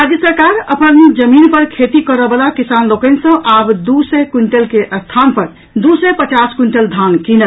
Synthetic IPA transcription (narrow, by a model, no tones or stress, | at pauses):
ad͡ʒjəsəɾkaɾəpənd͡ʒəminpəɾkʰet̪ikəɾəbəlakisanlokənsə̃ʔabd̪usəkuɳʈelkeʔəst̪ʰanpəɾ | d̪usəpət͡ʃaskuɳʈəld̪ʱankinə